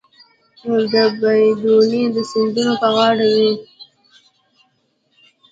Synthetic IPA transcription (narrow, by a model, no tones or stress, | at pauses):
nod̪əbajd̪ulid̪əsɪnd̪unopəɣɑɽawi